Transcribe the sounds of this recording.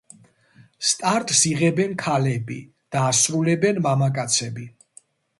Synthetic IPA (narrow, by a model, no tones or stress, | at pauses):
st̪ʼaɾt̪ʼsiʁɛbɛnkʰalɛbḭ | d̪̥aːsɾulɛbɛnmamakʼat̪sʰɛbi